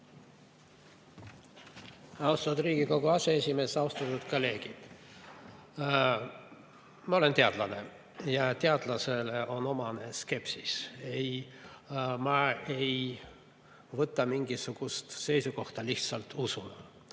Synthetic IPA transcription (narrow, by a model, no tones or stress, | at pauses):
ɑwst̪ɑd̪riːɡ̥iko̞ɡ̥uɑseesʲime̞ːsɑwst̪ɑt̪ːut̪kole̞ːɡ̥id̪̥ | mɑo̞le̞nt̪e̞ɑd̪̥lɑne̞ | jɑt̪e̞ɑd̪̥lɑseleʔo̞no̞mɑne̞ske̞psisej | mɑe̞j | vɤt̪ːˑɑmiŋɡisuɡ̥ust̪se̞jsuko̞ht̪ɑliht̪sɑlt̪usun